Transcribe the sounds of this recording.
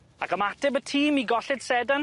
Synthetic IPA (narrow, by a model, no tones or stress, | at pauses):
akəmatɪbətʰiːmiɡɔɬɪd̥sɛdan